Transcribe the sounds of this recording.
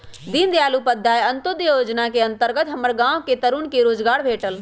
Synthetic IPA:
d̪ind̪jalupəd̪ʱːajənt̪ud̪joːd͡ʒnakeə̃nt̪əɾɡət̪ɦəməɾɡãwket̪əɾunkeɾoːd͡ʒɡaːɽbʱeːʈəl

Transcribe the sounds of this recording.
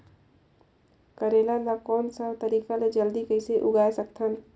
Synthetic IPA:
kəɾelanakɔːnsə̃t̪əɾiːkaled͡ʒəld̪ikəɪseʔʊɡaesək̚t̪ʰən

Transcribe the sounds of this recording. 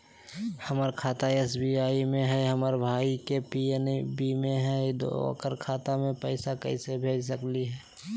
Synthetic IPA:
həməɾkʰaːt̪aesbiaːimẽɦɛɦəməɾbʱaːikepinbimẽɦɛd̪̰kəɾkʰaːt̪amẽpəɪsakə̰ɪsebʱeːd͡ʒsəkliɦɛː

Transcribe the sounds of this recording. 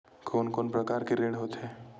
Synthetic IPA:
kʰoːnkoːnpɾɐkaːɾkeɾeːɽɦoːt̪ɦɛː

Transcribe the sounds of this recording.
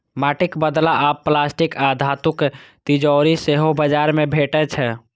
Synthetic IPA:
maʈikbəd̪laʔapːlasʈikad̪ʱat̪ukt̪id͡ʒɔɾiseɦobəd͡ʒaɾmebʱeʈɛt͡ʃʰɛ

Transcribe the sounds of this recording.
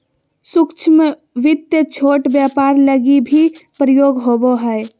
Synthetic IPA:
sukt͡ʃʰme | ʋɪt̪jət͡ʃʰoʈbjapaɾləɡibʱipɾəjoɡɦoboɦəj

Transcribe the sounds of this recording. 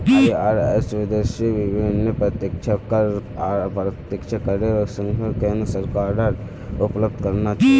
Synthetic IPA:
aaɾɛsʋɪd̪eʃjəʋɪbʱɪnːəpɾət̪jəkt͡ʃʰakəpɾət̪jəkt͡ʃʰakəɾeosə̃ŋɡəkẽːnd̪ɾəsəɾkaːɾaɾ | ʊpləb̚d̪ʱkəɾnat͡ʃaɦi

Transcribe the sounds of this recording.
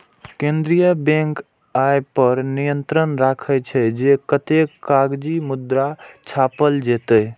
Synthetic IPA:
kẽnd̪ɾijəbẽŋk | ajpəɾnijənt̪ɾənɾakʰət͡ʃʰɛd͡ʒekət̪ekaɡd͡ʒimud̪ɾat͡ʃʰapəld͡ʒet̪ə

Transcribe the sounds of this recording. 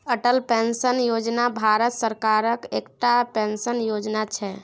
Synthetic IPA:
əʈəlpensənjod͡ʒnabʱaɾət̪səɾkaɾəkekʈapensənjod͡ʒnat͡ʃʰɛ

